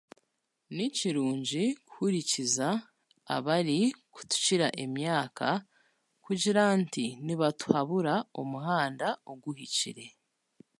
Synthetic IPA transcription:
niciɾuːɲɟiku̥huɾiciza | a̰βaɾiku̥tu̥ciɾaʔemjaːkʰa | kuɟiɾantiniβatu̥haβuɾaomuɦaːndaoɡuɦicḭɾe̞

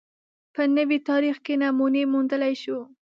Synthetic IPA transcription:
pənəwit̪ɑɾixkenamunemund̪əlajʃu

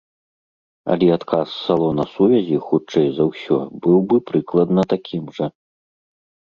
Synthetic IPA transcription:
ɐ̰lʲɛat̪kʰasːalˠɔnɐsuvʲɐzʲixut͡ʂɛjzɐwsʲɔ̰bɨwbɨpɾɨklˠɐd̪nɐt̪akʲʰimʐɐ

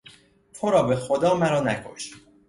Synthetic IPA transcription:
t̪ʰoɾɒːbe̞xod̪ɒːmæɾɒːnæ̰kʰo̞̰ʃ

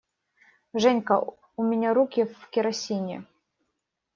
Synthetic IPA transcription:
ʐɛnʲkə | ʊmʲɪnʲaɾukʲɪvkʲɪɾɐsʲinʲɪ̰

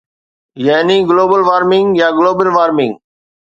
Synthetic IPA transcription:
jaːniɡloːbəlʋaːɾmɪ̃ŋɡjaːɡloːbəlʋaːɾmɪ̃ŋɡ

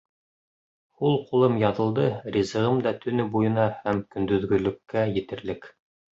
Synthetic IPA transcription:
hulˠqulˠɤmjɑðɤ̆lˠd̪ɤɾʲizɤ̆ʁɤmd̪ɑt̪ʰɵ̆nɵbujɤ̆nɑhæmkɵ̆nd̪ɵ̆ðɡɵ̆lɵ̆kːæjɘ̆t̪ɘ̆ɾlɘk

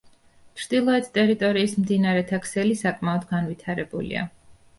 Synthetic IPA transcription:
t͡ʃʰɾd̪ilˠɔɛt̪ʰt̪ʼɛɾit̪ʼɔɾiːsmd̪inaɾɛt̪ʰakʰsɛlisakʼmaɔd̪ɡanvit̪ʰaɾɛbṵlḭa̰

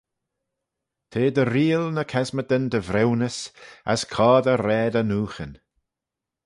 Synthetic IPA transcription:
t̪ʰeːd̪əɾiːlnəkʰɛzməd̪ənd̪əvɾɛwnəsa̰skʰɔːd̪əɾɛːd̪ənuːxən

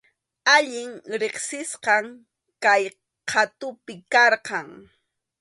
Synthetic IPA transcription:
aʎɪŋɾeχsɪsqɑŋ | kaj | qʰat̪ʊpɪkɑɾqɑŋ

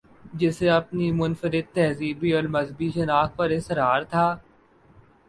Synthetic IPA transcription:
d͡ʒɪseɐpnimʊnfəɾɪd̪̚t̪ɛɦziːbiɔːɾmɐzbiʃɪnaːkpɐɾɪsəɾaːɾt̪ʰaː

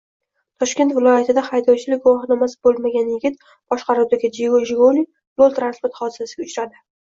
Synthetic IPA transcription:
t̪ʰɒʃkʲe̞nt̪vɪlˠɒjat̪ʰɪd̪ahajd̪ɒwt͡ʃʰɪlɪk̚ʲɡʊwɒχhɪnamasbolˠmaɡʲanjɪɡʲɪt̪ | b̥ɒʃqɑɾuwd̪aɡʲɪd͡ʒiɡoʒɪɡoni | b̪olˠt̪ɾanspoɾt̪χɒd̪ɪsasɪɡʲaʊt͡ʃɾad̪ɪ

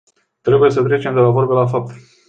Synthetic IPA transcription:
t̪ɾe̞buje̞s̬ət̪̬ɾe̞t͡ʃe̞md̪elavo̞rbelafap̚t̪

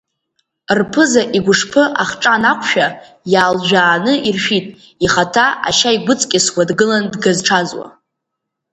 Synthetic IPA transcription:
rpʰɨzaʔiɡʷʊʂpʰɨʔaχʈ͡ʂʼanakʷʰʼʃᶣa | jaːlʒᶣaːnɨirʃᶣitʼ | iχatʰaʔa̰ʃaiɡʷʊt͡sʼkʲʼɪswʷadɡɨlandɡazʈ͡ʂʰazwa̰

